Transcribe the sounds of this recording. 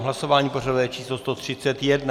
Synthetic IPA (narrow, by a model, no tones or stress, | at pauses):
ɦlaso̞vaːɲiːporadujɛt͡ʃiːslost̪ot̪r̝̥ɪt͡sɛt̪jɛdna